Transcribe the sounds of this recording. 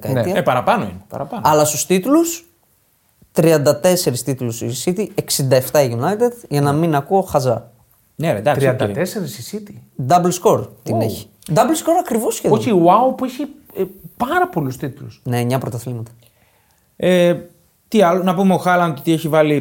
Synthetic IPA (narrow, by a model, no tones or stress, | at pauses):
kɐt̪iɐepɐɾɐpɐnoḭnepɐ̰ɾɐpɐnɐlɐst̪u̥st̪it̪ulus | t̪ɾiɐnd̪ɐt̪e̞se̞ɾist̪it̪ulusisit̪ieksind̪ɐe̞ft̪ɐiʝunɐjt̪ed̪ʝɐnɐminɐkuoxɐzɐ | neḛd̪ɐkt̪ɾsiɐnd̪ɐt̪eseɾisisit̪id̪ɐblsko̞ɾt̪ineçi̥ | d̪ɐblsko̞ɾɐkɾivosçeoiwawpueçi | pɐɾɐpo̞lust̪it̪ulṵsnemɲɐpɾot̪ɐθlimɐt̪ɐ̥ | e | t̪iɐlonɐpumeoxɐlɐnt̪ot̪ieçivɐli